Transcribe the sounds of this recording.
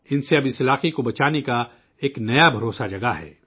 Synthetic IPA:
ɪnseɐbɪsɪlaːqekobɐt͡ʃaːneka | eːknɐjabʱɐɾoːsad͡ʒɐɡaɦɛ̰ː

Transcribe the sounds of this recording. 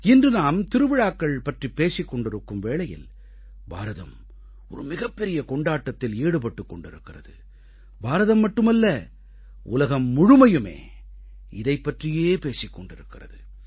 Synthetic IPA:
ɪndrɯnaːmt̪ɪɾɯʋɪɻaːkːɐɭpɐʈripeːsɪkːɔɳɖɪɾɯkːɯmʋeːɭɐjɪ̰l | bʱa̰ːɾɐðɐ̰m | ɔɾɯmɪɣɐpːɛɾɪjɐkɔɳɖaːʈːɐt̪ːɪleːɽɯp̬ɐʈːɯkːɔɳɖɪɾɯkːɪrɐðɯ̰ | bʱaːɾɐðɐmːɐʈːɯmɐlːɐ | ʊ̰lɐɣɐmːʊɻʊmɐjɯmḛː | ɪðɐɪpːɐʈrɪjeːpeːsɪkːɔɳɖɪɾɯkːɪrɐðɯ

